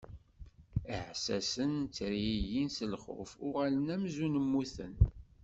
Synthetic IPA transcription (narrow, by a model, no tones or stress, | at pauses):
iʕsæsənt͡sːɾiijinsəlχʊ̰fʊʁælənæmzunəmːuθə̰n